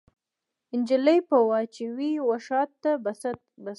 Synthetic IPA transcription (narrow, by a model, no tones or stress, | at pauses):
ɪnd͡ʒɪləjpəwat͡ʃewiwaʃɑt̪ːa | ba